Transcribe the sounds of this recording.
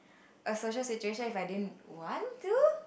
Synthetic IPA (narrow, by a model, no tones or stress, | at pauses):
ʔəsoʃəlsit͡ʃueʃə̃nifajdidwãntu